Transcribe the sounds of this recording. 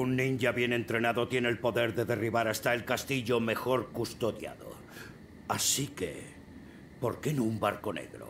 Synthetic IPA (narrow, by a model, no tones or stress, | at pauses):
unːĩnɟaβje̞nẽ̞nt̪ɾe̞naðo̞t̪je̞nelpo̞ðe̞ɾðe̞ðe̞riβaɾast̪ae̞lkast̪iʎo̞me̞xo̞ɾkust̪o̞ðja̰ðo̞̰ | asike̞̰ | po̞ɾke̞nuumbaɾko̞ne̞̰ɣɾo̰